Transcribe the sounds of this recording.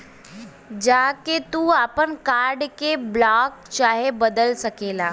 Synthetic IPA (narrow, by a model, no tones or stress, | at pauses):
d͡ʒaːket̪uaːpənkaːɾɖkeblaːk̚t͡ʃaːɦebɐd̪əlsɐkeːlaː